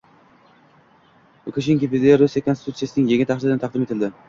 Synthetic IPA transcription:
ʊkʰʲoʃ̬ɪŋkʲepid̪eɾʊsekʰonsɪt̪ʰut̪sijasɪnɪŋjeŋat̪ʰɑχɪlɪnɪt̪ɑqd̪ɪme̞t̪ʰɪld̪ɪ

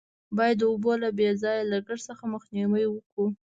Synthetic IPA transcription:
bɑjad̪ːəubolabezɑjalaɡəɽsəxaməxniwəjwəku

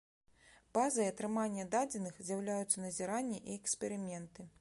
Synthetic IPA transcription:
b̥azɐjɐt̪ɾɨmanʲːɐd̪ad͡zʲɛnɨxzʲjawlʲajut̪sːɐnɐzʲɛɾanʲːiʔiɛkspʲɛɾɨmʲɛnt̪ɨ

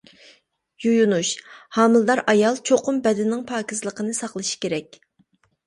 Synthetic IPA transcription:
jujunuʃhɑːmɨlˠd̪ɑɾʔɑjɑlˠt͡ʃʰoqʊmbɛd̪ɪnɪŋpʰɑːkʲʰizlˠəqənɨsɑqlˠɨʃi̥kʲeɾɛkʲ

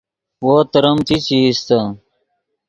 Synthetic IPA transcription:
woːt̪əɾəmt̪ʰit͡ɕiist̪a

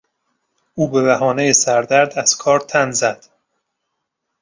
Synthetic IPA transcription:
ʔuːbe̞βæɦɒːne̞jesæɾd̪æɾd̪æz̥kʰɒːɾt̪ʰænzæd̪̥

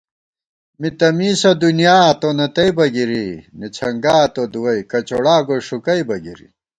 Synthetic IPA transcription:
mit̪ɐmiːsɐd̪unijaːt̪onɐt̪ɐibɐɡiɾinit͡ɕʰɐŋɡaːt̪od̪uwɐjkɐt͡ɕoɽaːɡoʂukɐibɐɡḭɾḭ

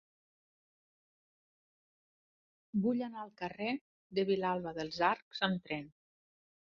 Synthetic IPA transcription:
buʎanaəlˠkəre | d̪əβilalˠβəðəlˠzaɾkz̥əmt̪ɾɛn

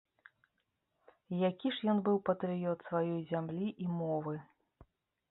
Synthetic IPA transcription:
jakʲiʂjɔnbɨwpɐt̪ɾɨjɔt̪svajɔjzʲamlʲiʔimɔvɨ

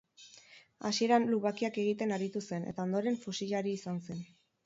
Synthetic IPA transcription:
asie̞ɾanluβakiake̞ɣ̞it̪e̞naɾit̪use̞ne̞̰t̪ao̞nd̪o̞ɾe̞ɱfusiʎaɾiːsanse̞n

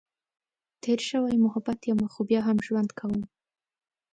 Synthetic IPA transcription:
t̪ʰeɾʃəwajmʊɦabat̪jamaxobjɑɦamʒwand̪kʰawəm

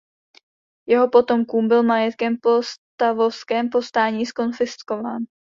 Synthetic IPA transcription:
jɛɦo̞po̞t̪o̞mkuːmbɪlmajɛt̪kɛmpo̞st̪avofskɛːmpo̞st̪aːɲiːsko̞nfɪsko̞vaːn

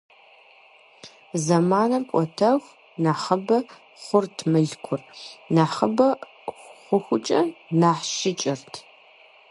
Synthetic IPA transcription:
zɐmaːnɐmkʷʼɔtʰɐʁ | naːχɐbɐ | χʷʊrtʰmɨɮkʷʰʊrnaːħɐbɐ | χʷʊxʷʊt͡ʃʼɐnaːħʃɪt͡ʃʼɪrtʰ

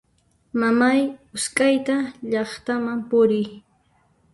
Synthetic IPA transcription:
mamajʊskʼajt̪aʎɑχt̪amampʊɾɪj

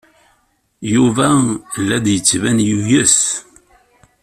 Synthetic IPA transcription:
juvælːæd̪jət͡sːvænjujəs

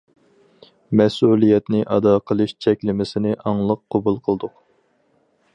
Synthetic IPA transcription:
mɛsulˠijɛt̪nɪʔɑd̪ɑqʰəlˠɨʃt͡ʃʰɛkʲlɪmɪsɪnɪʔɑŋlˠəqʰːobulˠqʰəlˠd̪ʊq

